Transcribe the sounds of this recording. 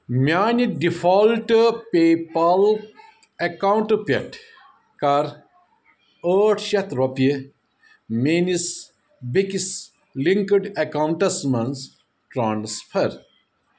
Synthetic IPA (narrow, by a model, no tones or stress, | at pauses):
mʲjaːnʲiɖifʰɔːlʈɨpeːpɐl | ekawuɳʈɨpeʈʰ | kɐɾ | əːʈʰʃɐt̪ʰɾopie | meːnis | bikis | liŋkəɖɐkawɳʈɐsmɐns | ʈɾaːnspʰɐɾ